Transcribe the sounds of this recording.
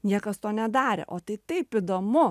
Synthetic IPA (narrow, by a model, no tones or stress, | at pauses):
nʲiɛkɐst̪oːnʲɛd̪ɑːɾʲɪ̰ʔoːt̪ɐɪt̪ɐɪpɪd̪oːmʊ